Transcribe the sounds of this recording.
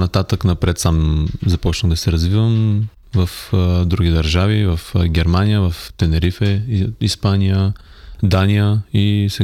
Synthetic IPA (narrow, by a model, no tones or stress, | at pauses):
nɐt̪at̪əknɐpɾɛt̪samzɐpɔt͡ʃnəmd̪ɐsɛɾɐzvivəm | vɐfd̪ɾuɡʲid̪ɐɾʒavivɐfɡʲɛɾmanijəvɐft̪ɛnɛɾifɛispanijə | d̪anijəisɛ